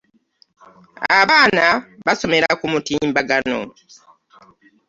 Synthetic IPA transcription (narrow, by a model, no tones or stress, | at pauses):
aβaːnaβaso̞me̞ɾakumutiːmbaɡano̰